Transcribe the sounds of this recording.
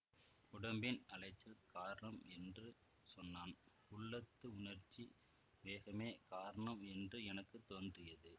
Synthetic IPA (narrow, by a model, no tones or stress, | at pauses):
ʊɽɐmbɪnɐlɐɪt͡ʃːɐlkaːɾɐɳɐmɛndrɯ | sɔnːaːn | ʊɭːɐt̪ːɯʊnɐɾt͡ʃi | ʋeːɣɐmeːkaːɾɐɳɐmɛndrɯɛnɐkːɯt̪ːoːndrɪjɐðɯ